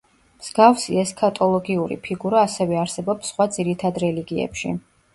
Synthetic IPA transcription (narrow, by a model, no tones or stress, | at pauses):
mz̥ɡafsiɛskʰat̪ʼɔlˠɔɡiuɾḭpʰiɡuɾaːsɛvɛaɾsɛbɔpsːχwad̪z̥iɾit̪ʰad̪ɾɛliɡiɛ̰pʃḭ